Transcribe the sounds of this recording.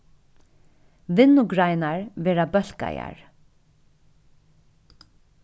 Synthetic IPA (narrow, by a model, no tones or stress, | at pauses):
ʋɪnːʊɡɹaɪnaɹʋeːɹabœl̥ka̰ja̰ɹ